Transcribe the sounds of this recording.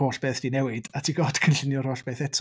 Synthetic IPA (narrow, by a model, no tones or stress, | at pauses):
oːɬb̥eːθd̥inɛwɪdatʰiːɡoːd̥kʰənɬɪnjɔr̥oːɬb̥eːθɛtʰ